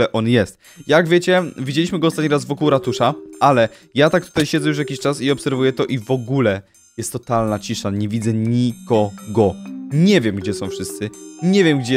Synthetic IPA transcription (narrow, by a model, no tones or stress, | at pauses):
ɛʔɔnjɛst̪ | jaɡvʲjet͡ɕɛvʲid͡ʑelʲiɕmɘɡɔːst̪at̪ɲiɾazvɔkuwɾat̪uʂaalɛ | jat̪ak̚t̪u̥t̪ajɕɛd̪zɛjuʂ̬jakʲiɕt͡ʂasiɔpsɛɾvujɛt̪ɔʔivɔɡulɛ | jɛst̪ːɔt̪alnat͡ɕiʂaɲɛvʲid̪zɛɲikɔɡɔɲɛvʲjɛmɡd͡ʑɛsɔ̃w̃fʂɘst̪sɘɲevʲjɛmɡ̚d͡ʑɛ